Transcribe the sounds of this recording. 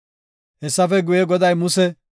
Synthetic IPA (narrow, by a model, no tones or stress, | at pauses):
hɛsːɐfɛɡʊjɛɡɔd̪ɐjmʊsɛ